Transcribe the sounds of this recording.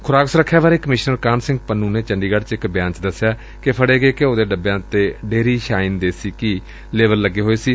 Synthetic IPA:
kʰʊɾaːksɾəkʰːjaːʋaːɾeːkəmɪʃnəɾkaːnsɪ̃ŋɡ̚pənːũːneːt͡ʃəɳɖiːɡəɽt͡ʃɪkbjãːɲt͡ʃd̪əsːjaː | kepʰəɽeːɡeːkeoːd̪eːɖəbjãːt̪eːɖeːɾiːʃaːɪnd̪eːsiːki | leːʋəlːəɡːeːɦoːeːsiː

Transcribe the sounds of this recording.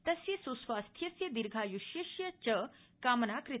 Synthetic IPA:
t̪əsisosʋast̪ʰjɐsjəd̪iɾɡʱajuɕjeɕjət͡ɕəkamənakɾi

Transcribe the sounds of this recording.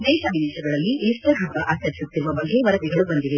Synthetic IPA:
d̪ɛːʃɐbid̪eːʃɐɡɐɭɐlːiʔiːsʈ̪ɐɦɐkɐʔaːkɐɾisut̪ːiɾuʋɐbɐɡʱeʋɐɾɐɡ̪ɛɡɐɭubɐnd̪iʋe

